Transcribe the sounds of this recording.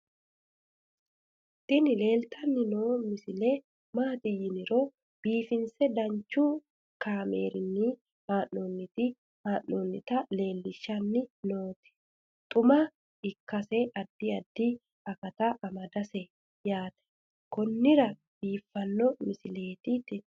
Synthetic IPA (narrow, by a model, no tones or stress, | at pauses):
t̪ːɪnɪle̞ːlt̪ɐnːɪnoːmɪsɪlɛ | maːt̪ɪjɪnɪɾoː | b̥iːfɪnsɛd̪ɐnt͡ʃːuː | kaːmḛːɾɪnːɪ | maːnːoːnːɪt̪ɪ | maːʔːoːnːɪt̪ɐle̞ːlːɪʃːɐnːɪnoːt̪ɛ̥ | t̪ʼʊmɐ | ɪkːɐsɛʔɐd̪ːɪɐd̪ːi | ɐkɐt̪aʔɐmɐd̪ɐsɛ | jaːt̪ɛ̥ | kɔnːɪɾɐ | b̥iːfːɐnːɔmɪsɪle̞ːt̪ɪt̪ɪ